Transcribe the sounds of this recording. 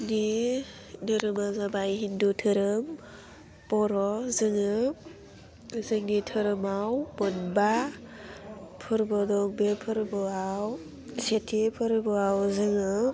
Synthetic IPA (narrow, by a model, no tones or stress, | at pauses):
ni | dɯɾɯmazabajɦindutʰɯɾɯm | pɔɾɔzɯŋɯ | zɯŋnitʰɯɾɯmawbɯnba | pʰɯɾbɔdɔŋbepʰɯɾbɔaw | setʰipʰɯɾbɯawzɯŋɯ